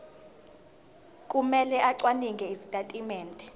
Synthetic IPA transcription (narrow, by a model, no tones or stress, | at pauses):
kʼumɛlɛʔaǀwaniŋɡʱɛizitʼatʼimɛːntʼɛ